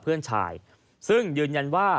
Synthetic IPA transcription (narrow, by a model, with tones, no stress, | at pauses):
pʰɯ˥˩ənt͡ɕʰa̰ː˧j | sɯ˥˩ŋjɯː˧nja˧nwaː˥˩